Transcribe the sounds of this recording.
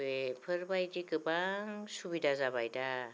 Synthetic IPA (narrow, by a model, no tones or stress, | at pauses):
epʰəɾbajd̪ikɯpaŋsubid̪ʱad͡zabajta